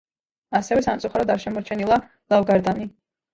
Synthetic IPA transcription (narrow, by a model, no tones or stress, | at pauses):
asɛvɛsamt̪sʼuχaɾɔd̪aɾʃɛmɔɾt͡ʃʰɛnilˠa | lˠavɡaɾd̪ani